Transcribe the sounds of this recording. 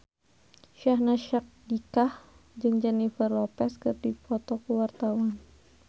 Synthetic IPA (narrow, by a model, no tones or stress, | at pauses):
ʃahnaʃak̚dikah | d͡ʒɨŋd͡ʒɛnifərlɔpɛskɨrdipɔt̪ɔkəwart̪awan